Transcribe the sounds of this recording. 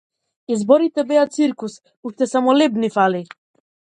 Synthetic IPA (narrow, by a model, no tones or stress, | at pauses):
izbɔɾit̪ɛbɛat̪siɾkus | uʃt̪ɛsamɔlɛbnifali